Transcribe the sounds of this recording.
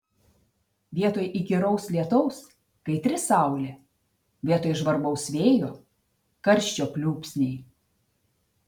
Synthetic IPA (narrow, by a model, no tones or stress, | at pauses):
ʋʲiɛt̪oːjʔiɡʲɪɾɐʊslʲiɛt̪ɔʊs | kɐɪt̪ʲɾʲɪsɑˑʊlʲe | ʋʲiɛt̪oːjɪʒʋɐɾbɔʊsʋʲeːjoː | kɐɾʲʃʲt͡ʃʲoːpʲlʲuːpʲsʲnʲɛɪ